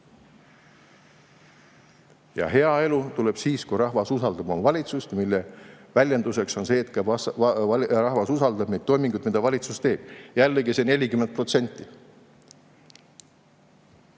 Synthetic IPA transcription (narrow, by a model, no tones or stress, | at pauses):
jɑ̰ɦe̞ɑe̞lut̪ule̞b̥siːskujɾɑhvɑsusɑld̪̥ɑb̥omvɑlʲit̪sust̪milːevælʲjend̪use̞kso̞nse̞ːt̪ːˑkɑbɑ | rɑɦvɑsusɑld̪ɑb̥ned̪t̪ːo̞jmiŋɡ̥ud̪mid̪̥ɑvɑlʲit̪sust̪e̞ːb̥jælːeɡisene̞lʲikyment̪̚pro̞t̪se̞nʲt̪ˑːi